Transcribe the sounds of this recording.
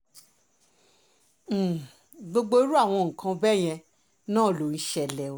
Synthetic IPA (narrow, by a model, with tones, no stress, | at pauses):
ɡ͡bo˧ɡ͡bo˦ɾu˦a˦˨w̃ɔ̃˧ŋ̩˨kʰã˧bɛ˦˨j̃ɛ̃˧ | nãː˦˨lo˨˦˧n̩˦ʃɛ˧˨lɛ˨o˨